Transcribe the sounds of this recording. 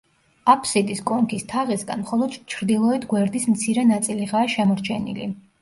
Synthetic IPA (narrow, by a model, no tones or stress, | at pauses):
apʰsid̪iskʼɔŋkʰist̪ʰaʁisɡa̰nmχɔlˠɔd̪t͡ʃʰɾd̪ilˠɔɛt̪ʰɡwɛɾd̪ismt̪sʰiɾɛnat̪sʼiliʁaːʃɛmɔɾt͡ʃʰɛnḭlḭ